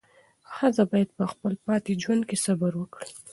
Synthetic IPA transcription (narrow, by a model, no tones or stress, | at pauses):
xazabɑjad̪̚pəxpəlpɑt̪ed͡ʒwand̪̚kesabaɾwəkɽi